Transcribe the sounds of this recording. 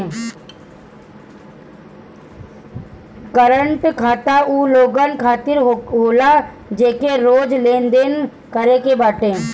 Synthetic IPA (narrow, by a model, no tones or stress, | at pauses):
kəɾəɳʈkʰaːt̪auːloːɡənkʰaːt̪ɪɾɦoːla | d͡ʒeːkeɾoːd͡ʒlẽːnd̪eːn | kəɾekebaːʈẽː